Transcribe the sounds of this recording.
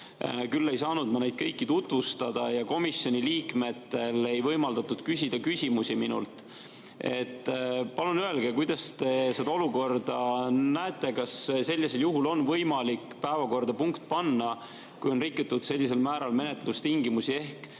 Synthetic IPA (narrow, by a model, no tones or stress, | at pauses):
kylːe̞jsɑːnud̪̥mɑne̞jd̪̥̚kɤjkːˑit̪ut̪ˑvust̪ɑd̪̥ɑjɑko̞misjo̞nʲiliːkme̞t̪ːe̞le̞jvɤjmɑld̪ɑt̪ːud̪̥kysʲid̪̥ɑkysʲimusiminṵlt̪ | e̞̰t̪ːpɑlunye̞lɡ̥e̞kujd̪̥ɑst̪e̞sed̪ɑoluko̞rd̪̥ɑnæet̪ˑːe̞kɑsse̞lʲːiseljuɦulo̞nvɤjmɑlikːpæevɑko̞rd̪̥ɑpuŋkt̪̚pɑnːɑ | kujo̞nrikːut̪ːˑud̪̥se̞lʲːise̞lmæːɾɑlme̞ne̞t̪lust̪iŋɡimusie̞hk